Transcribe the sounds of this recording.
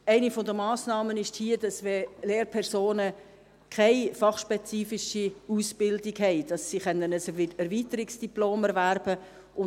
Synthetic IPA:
æɪnifɔdəmɑːsnɑːmənɪʃthiːəd̥ɑsvɛleːɾpʰɛɾsoːnə | kʰaɪfɑχʃpɛt͡siːfɪʃiusb̥ɪldɪɡhɛɪd̥ɑsːiχɛnənəsɪɛɾviːtəɾɪksd̥iploːmɛɾvæɾb̥ə | ʔʊ

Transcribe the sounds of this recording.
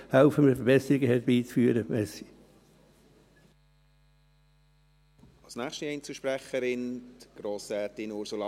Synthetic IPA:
haʊfəməfəɾb̥ɛsəɾiɡəɦɛbiːt͡sfyːɾəmɛsi̥ | ɑlsnæːχʃtəɛjnt͡suʃpɾɛχəɾɪnɡ̥ɾoːsɾɛːtɪnʊɾsulɑ

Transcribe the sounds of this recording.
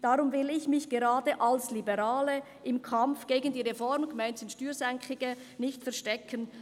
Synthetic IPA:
d̥aʁʊmvɪlɪçmɪçɡ̥eʁaːdəʔalslibəʁaːlə | ʔɪmkʰamfɡ̥eːɡən̩diːʁefɔɾmɡ̥maɪntsɪnʃtyːɾsɛŋkʰɪɡ̥ə | nɪçtfɛɐʁʃtɛkʰən

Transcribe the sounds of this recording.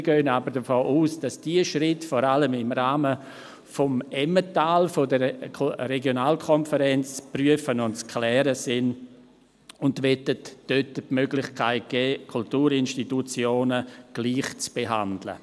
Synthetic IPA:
ɡøːənabəɾd̥əfoːʔuːsd̥asd̥iəʃrɪtfɔɾaləmɪmɾaːmə | fɔmɛmətaːlfodəɾʰreɡjonaːlkʰɔnfəɾɛnt͡st͡spryəfənʊntt͡skʰlɛːɾəsɪn | ʊndʋɛtətd̥øtəpmøɡlɪχkʰaɪt̚ɡ̥ɛːkʰultuːɾɪnʃtitut͡sjoːnəɡ̥liːχt͡sb̥eɦa̰ndlə̰

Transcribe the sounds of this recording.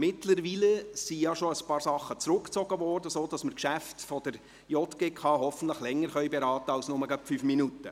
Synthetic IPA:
mɪtləɾʋiːləsijɑʃoəspɑːɾsɑχːət͡sɾʊkt͡sɔɡ̥əʋɔːrdəsoːd̥ɑsməɾkʃæftfɔd̥əɾ | jɔt̪ɡ̥eːkʰɑːɦɔfən̩tləχlɛŋːəɾχœʏbeɾɑːtəɑlsnʊməɡœpfyfminutːə

